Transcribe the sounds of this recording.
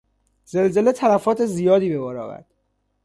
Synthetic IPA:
z̥e̞lze̞le̞t̪ʰælæfɒːt̪ʰe̞zijɒːd̪iːbe̞bɒːɾɒ̰ːvæ̰ɾd̪̥

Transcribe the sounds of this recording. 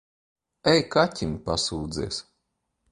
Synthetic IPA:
ɛjkatʲimpasuːd̪zḭːs

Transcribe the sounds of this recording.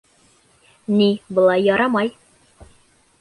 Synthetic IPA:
nibɤ̆lˠɑjːɒɾɑmɑj

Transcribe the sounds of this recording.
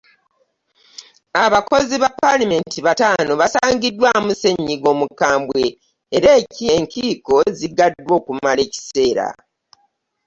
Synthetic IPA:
aβako̞ziβapalime̞ntiβataːnoβasaːɲɟidːwamuse̞ɲːiɡo̞ːmukaːmbwe̞ː | ɾe̞ːcie̞ŋkiːko̞ziɡadːwo̞ːkumale̞ːci̥se̞ːɾa̰

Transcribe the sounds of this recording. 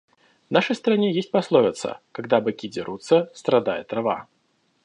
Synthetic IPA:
naʂəjst̪ɾanʲejesʲtʲpaslˠɔvʲɪt̪sə̰kaɡd̪abɨkʲid͡zʲɪɾut̪sːəst̪ɾad̪ajɪ̰t̪ɾava̰

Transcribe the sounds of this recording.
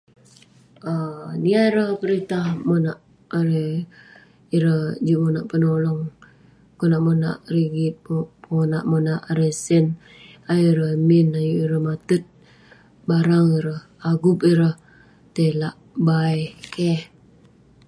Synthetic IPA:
əniaiɾəhpəɾit̪ahmonaʔ | aɾe | iɾəhd͡ʒuʔmonaʔpənolɔŋ | konaʔmona̰ʔriɡionaʔmonaʔaɾesən | ajuɾəminajuʔiɾəhmat̪ut̪̚ | baɾaŋiɾəh | aɡupiɾəh | t̪elaʔ | bajkeh

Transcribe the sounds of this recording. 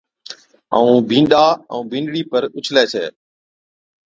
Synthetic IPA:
ə̰ũːbʱĩːɗaːə̃ũːbʱĩːɳɖɽiːpəɾʊt͡ʃʰleːsʰeː

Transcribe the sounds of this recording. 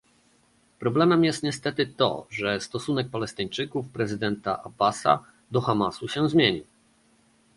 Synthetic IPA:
pɾɔblɛmɛmjɛst̪ɲɛst̪ɛt̪ɘt̪ɔ̰ʐɛst̪ɔsunɛk̚palɛst̪ɘɲt͡ʂɘkufpɾɛzɘd̪ɛnt̪a̰ʔa̰basa̰ | d̪ɔxamasuɕɛzmʲjeɲḭw

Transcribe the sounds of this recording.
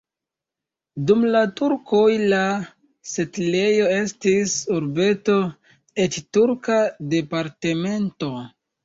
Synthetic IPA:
dumlatuɾko̞jla | setle̞jo̞e̞stisuɾbe̞to̞ | e̞t͡ʃtuɾkade̞paɾte̞me̞nto̞

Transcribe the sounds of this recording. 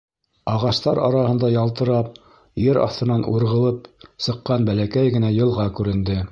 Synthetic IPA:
ɑʁɑʃt̪ɑɾɑɾɑhɤ̆nd̪ɑjɑlˠt̪ɤ̆ɾɑp̚ | jɘɾɑ̰θt̪ɤ̆nɑnuɾʁɤ̆lˠɤpsɤ̆qːɑnbælækæjɡɘ̆næjɤ̆lˠʁɑkʉɾɘ̆nd̪ɘ

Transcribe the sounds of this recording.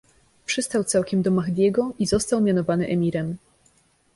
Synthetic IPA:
pʂɘst̪awt̪sawkʲɛmd̪ɔmaɣd̪ʲjɛɡɔizɔst̪awmʲjanɔvanɘʔɛmʲiɾɛm

